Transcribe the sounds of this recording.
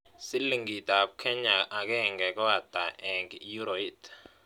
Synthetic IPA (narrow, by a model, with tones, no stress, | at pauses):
si˦li˨ŋɡi˨tʼa˨pkʰɛ˦ɲaʔak̬ɛ˦ŋɡɛ˨k̬ʼɔ˦a˨d̥aʔɛ˨ŋɡju˦ɾoit